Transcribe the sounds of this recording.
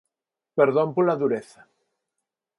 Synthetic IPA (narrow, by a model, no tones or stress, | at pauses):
peɾðõmpolaðuɾeθɐ̥